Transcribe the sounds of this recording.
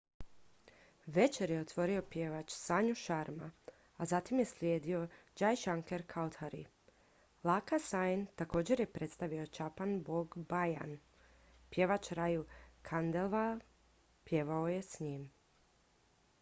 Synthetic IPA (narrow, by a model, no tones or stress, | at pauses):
ʋe̞t͡ʃe̞ɾjeot̪ʋo̞ɾio̞pje̞ʋat͡ʃsaɲuʃaɾma | azat̪imje̞slʲjeːd̪io̞d͡ʒajʃaŋke̞ɾkʰaot̪haɾḭ | lˠakasajnt̪ako̞ːd͡ʑe̞ɾje̞pɾe̞t̪st̪aʋio̞t͡ʃapanboɡbaja̰n | pje̞ʋat͡ʃɾajukʰand̪elʋa | pje̞ʋaoje̞sɲim